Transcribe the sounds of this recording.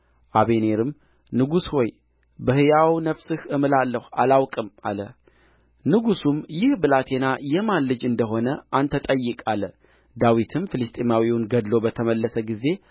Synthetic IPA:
ʔaβe̞ne̞ɾɨm | nɨɡusho̞j | bəhɨjawnəfsɨhɨmɨlalːəhualawkʼɨma̰lə | nɨɡusumjɪhbɨlat̪ʰe̞najɛmanlɨd͡ʒɨnd̪əɦo̞nəʔant̪ʰət̪ʼəjːɨkʼalə | d̪awit̪ʰɨmfɨlɨst̪ʼimawiwʊnɡəd̪lo̞bət̪ʰəməlːəsəɡize̞

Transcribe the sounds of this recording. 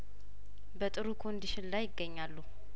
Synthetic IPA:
bət̪ʼɨɾukʰo̞nd̪iʃɪnlajːɪɡːəɲːalːu

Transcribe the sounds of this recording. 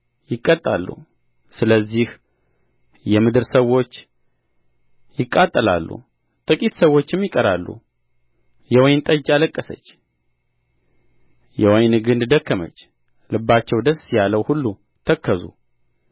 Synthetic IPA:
jɪkʼːət̪ʼːa̰lːṵ | sɨləzːih | jɛmɨd̪ɨɾsəwːo̞t͡ʃː | jɪkʼːat̪ʼːəla̰lːṵ | t̪ʼɨkʼit̪səwːo̞t͡ʃːɪmjɪkʼəɾalːṵ | jɛwɔjnt̪ʼəd͡ʒaləkʼːəsə̰t͡ʃː | jɛwɔjnɡɨnd̪d̪əkʰːəmə̰t͡ʃː | lɨbːat͡ʃːɛwd̪əsjaləwhulːu | t̪ʰəkʰːəzṵ

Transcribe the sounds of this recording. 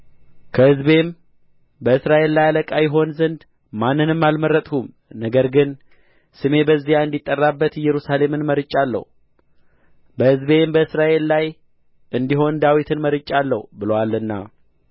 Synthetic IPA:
kʰəhɨzbe̞m | bəɨsɾaʔe̞lːajaləkʼajɪɦo̞nzənd̪ | manːɨnɨmːalməɾːət̪ʼhum | nəɡəɾɡɨn | sɨme̞bəzːijaɨnd̪it̪ʼːərːabːət̪jɛɾusale̞mɨnməɾɨt͡ʃʼːalːə̰hu | bəhɨzbe̞mbəɨsɾaʔe̞llaj | ʔɨnd̪iɦo̞nd̪awit̪ʰɨnməɾɨt͡ʃʼːalːəhubɨləwalːɨnːa̰

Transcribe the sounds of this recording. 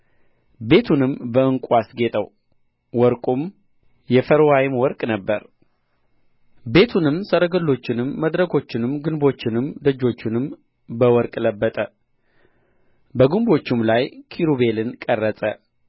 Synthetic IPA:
be̞t̪ʰunɨmbəɨŋkʷʼasɡe̞t̪ʼəw | wɔɾkʼum | jɛfəɾwajɪmwɔɾkʼnəbːəɾ | be̞t̪ʰunɨmsəɾəɡəlːo̞t͡ʃːɪnɨmːəd̪ɾəkʰo̞t͡ʃːɪnɨmɡɨnbo̞t͡ʃːɪnɨmd̪əd͡ʒːo̞t͡ʃːɪnɨm | bəwɔɾkʼləbːət̪ʼə | bəɡumbo̞t͡ʃːɪmlajkʰiɾube̞lɨnkʼərːət̪ʼə̰

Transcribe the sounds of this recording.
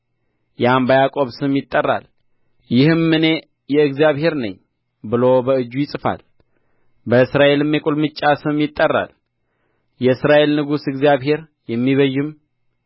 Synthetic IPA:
jɛambəjakʼo̞βsɨmjɪt̪ʼːərːa̰l | jɪhɨmːɨne̞ | jɛɨɡzjaβhe̞ɾnə̰ɲː | bɨlobəɨd͡ʒːujɪsʼɨfa̰l | bəɨsɾaʔe̞lɨmːjɛkʼulmɨt͡ʃʼːasɨmjɪt̪ʼːərːa̰l | jɛɨsɾaʔe̞lnɨɡusɨɡzjaβɦe̞ɾ | jɛmːiβəjːɨm

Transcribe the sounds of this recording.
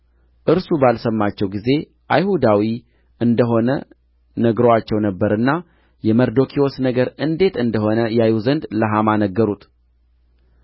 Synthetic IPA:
ʔɨɾsubalsəmːat͡ʃːɛwɡize̞ | ʔajhud̪awi | ʔɨnd̪əɦo̞nə | nəɡɾowat͡ʃːɛwnəbːəɾɨnːa | jɛməɾd̪o̞kʰio̞snəɡəɾɨnd̪e̞t̪ɨnd̪əho̞nəjajuzənd̪ləɦamanəɡːəɾut̪

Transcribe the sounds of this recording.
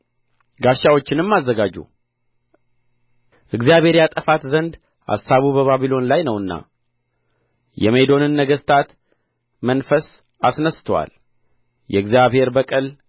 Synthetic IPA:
ɡaʃːawo̞t͡ʃːɪnɨmːazːəɡad͡ʒːṵ | ʔɨɡzjaβhe̞ɾjat̪ʼəfat̪zənd̪ | a̰sːaβubəβaβilo̞nlajnəwɨnːa̰ | jɛ̰me̞d̪o̞nɨnːəɡəst̪ʰat̪ | mənfəs | asnəst̪ʰwa̰l | jɛ̰ɨɡzijaβhe̞ɾbəkʼɨl

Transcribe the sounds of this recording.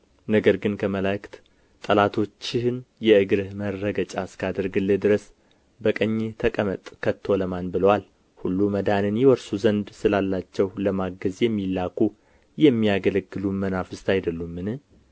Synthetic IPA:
nəɡəɾɡɨnkʰəməlakt̪ | t̪ʼəlat̪ʰo̞t͡ʃːɪhɨnjɛɨɡɨɾɨhmərːəɡət͡ʃʼaskʰad̪əɾɡɨlːed̪ɨɾəs | bəkʼəɲːet̪ʰəkʼəmət̪ʼkʰət̪ʰːo̞ləmanbɨləwal | hulːuməd̪anɨnjɛwɔɾsuzənd̪sɨlalːat͡ʃːɛwləmaɡəzjɛmːilːakʰu | jɛmːijaɡələɡːɨlumənafɨst̪ajd̪əlːumːɨnɨh

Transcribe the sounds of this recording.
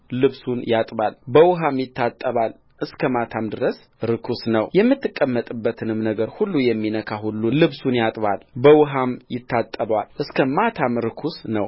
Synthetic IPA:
lɨβsunjat̪ʼβalbəwʊɦamjɪt̪ʰːat̪ʼːəβal | ʔɨskʰəmat̪ʰamd̪ɨɾəs | ɾɨkʰusnəwjɛmːɨt̪ːɨkʼːəmːət̪ʼɨbːət̪ʰɨnɨmnəɡəɾhulːujɛmːinəkʰaɦulːulɨβsunjat̪ʼβalbəwʊɦamjɪt̪ʰːat̪ʼːəβwalʔɨskʰəmat̪ʰamɾɨkʰusnəw

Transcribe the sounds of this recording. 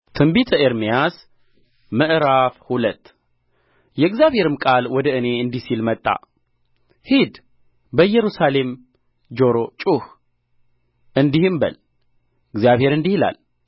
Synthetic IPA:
t̪ʰɨmbit̪ʰəeɾmijas | məʔɾafhulət̪ː | jɛɨɡzjaβhe̞ɾɨmkʼalwɔd̪əʔɨne̞ɨnd̪isilmət̪ʼːa̰ | hid̪ | bəjːɛɾusale̞m | d͡ʒo̞ɾot͡ʃʼuh | ʔɨnd̪ihɨmbə̰l | ɨɡzjaβhe̞ɾɨnd̪ihila̰l

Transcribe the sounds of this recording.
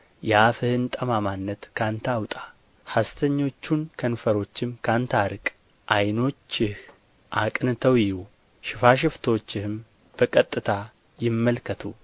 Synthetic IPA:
jafɨhɨnt̪ʼəmamanːət̪kʰant̪ʰawt̪ʼa | hast̪ʰəɲːo̞t͡ʃːunkʰənfəɾo̞t͡ʃːɪmkʰant̪ʰaɾɨkʼ | ʔajno̞t͡ʃːɪh | ʔakʼnɨt̪ʰəwjɪju | ʃɪfaʃ̬ɪft̪ʰo̞t͡ʃːɪhɨm | b̥əkʼət̪ʼːɨt̪ʰa | jɪmːəlkʰət̪ʰu

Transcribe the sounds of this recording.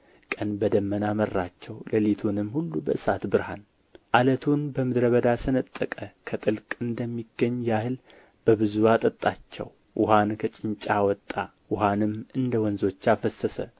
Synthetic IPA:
kʼənbəd̪əmːənamərːat͡ʃːɛwləlit̪ʰunɨmːhulːubəʔɨsat̪bɨɾhan | ʔalət̪ʰunbəmɨd̪ɾəβəd̪asɨnət̪ʼːəkʼəkʰət̪ʼɨlkʼɨnd̪əmːiɡːəɲːjahɨl | b̥əβɨzuwat̪ʼət̪ʼːat͡ʃːɛ̰w | ʔʊhankʰət͡ʃʼɪɲt͡ʃʼawɔt̪ʼːa | wʊɦanɨmɨnd̪əwɔnzo̞t͡ʃːafəsəsə̰

